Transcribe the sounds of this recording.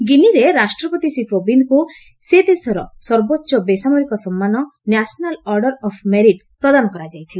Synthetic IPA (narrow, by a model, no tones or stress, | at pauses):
ɡiniɾeɾasʈɾɔpɔt̪isipɾobind̪ɔku | sed̪esɔɾɔsɔɾbotːʃɔbesamɔɾikɔsɔmːanɔnasɔnalɔɾɖɔɾɔpʰmeɾiʈ̚ | pɾɔd̪anɔkɔɾad͡ʒajt̪ʰile